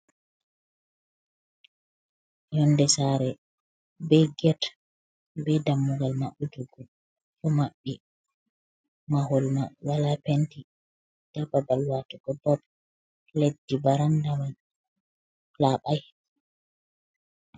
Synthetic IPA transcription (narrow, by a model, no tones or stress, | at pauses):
jɔndɛsaɾɛ | bɛɡɛt | bɛdamːuɡalmaɓːuduɡɔ | kɔmaɓːi | mahɔlmawalapenti | d̥ababalwatuɡ̥ɔbɔb | ledːibaɾandaman | laɓaj